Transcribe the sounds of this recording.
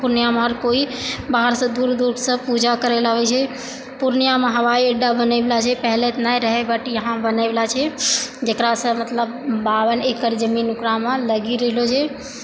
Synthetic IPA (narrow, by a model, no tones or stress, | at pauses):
puɾnjamẽɦəɾkoːibaɦəɾsə̃d̪uːɾd̪uɾsə̃pud͡ʒakəɾelaɦot͡ʃʰɛ | puɾnjamẽɦəʋaːiəɖabənːblat͡ʃʰɛpəɦlet̪naiɾəɦebəʈijəɦãbənaɪblat͡ʃʰɛd͡ʒeːkɾasə̃mət̪ləbbaːʋənekəɾd͡ʒəmiːnʊkɾamãləɡiɾəɦɪlot͡ʃʰɛ